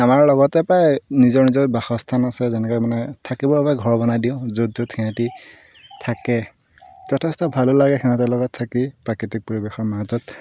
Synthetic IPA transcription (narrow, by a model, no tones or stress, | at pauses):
amaɹlɔɡɔtɛpɹajnizɔɹnizɔjbaxɔstʰanasɛzɛnɛkɔmanɛtʰakibɔbapajɡʱɔɹbɔnadiʊ̃zudzuthiati | tʰakɛ | zɔtʰɛstɔbʱalolaɡɛxiãtɛlɔɡɔtʰːakipɹakɹitik̚pɔɹibɛxɔɹmazɔt̚